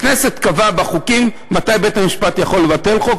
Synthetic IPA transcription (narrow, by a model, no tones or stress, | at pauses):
knese̞t̪kavabaχukimːat̪ajbet̪amiʃpat̪jaχo̞lːevate̞lχok